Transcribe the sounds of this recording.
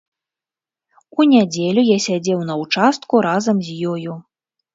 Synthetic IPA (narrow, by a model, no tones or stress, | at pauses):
unʲad͡zʲɛlʲujasʲad͡zʲɛwnɐwt͡ʂast̪kuɾazɐmzʲjɔju